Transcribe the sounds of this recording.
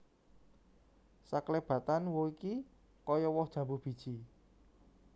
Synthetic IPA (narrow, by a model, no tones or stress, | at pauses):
sakleb̥ä̤t̪anwoiki | kɔjɔwɔhd̥ʒ̥ä̤bub̥i̤d̥ʒ̥i